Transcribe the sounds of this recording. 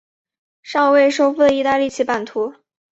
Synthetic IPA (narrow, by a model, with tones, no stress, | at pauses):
ʂɑ˥˧ŋwe˥˩ɪʂo˥ʊfu˥˩d̪ə˩i˥˧t̪a˥˧li˥˩t͡ɕʰi˥˩pa˥˩nt̪ʰu˧˥